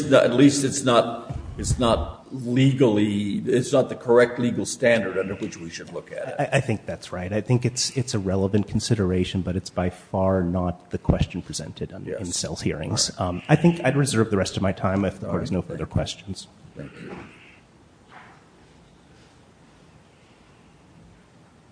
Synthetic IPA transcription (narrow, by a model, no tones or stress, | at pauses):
nɨ̰tˡlistɨtsnəɾ̚ɨtsnət̚ | liɡl̩ˠiɪtsnət̪̚ðɨkʰə˞ɛk̚tˡliɡl̩ˠstæ̃ndə˞ɾʌ̃ndə˞wɨt͡ʃwiʃɨdˡlʊkɨ̰ɾaɪʔaɪθɪ̃ŋk̚ðætsɹaɪɾaɪθɪ̃ŋkɨtsɪtsɨɹɛlˠəvɨ̃nkʰn̩sɪɾə˞eɪʃɨ̃n̩bʌɾɨtsb̥aɪfɑɹnət̪̚ðɨkʰw̥ɛst͡ʃn̩pʰɹ̥izɛ̰̃ntʰɨɾ̃ɨ̃nsɛ̰lˠshiɹɪ̰̃ŋz̥aɪθɪ̃ŋkaɪd̚ɹɨzɜ˞vðɨɹɛstʌvmaɪtʰãɪ̃mɨfðəkʰɔɹɾɨznoʊfɜ˞ðə˞kʰw̥ɛst͡ʃn̩z̥θæ̃k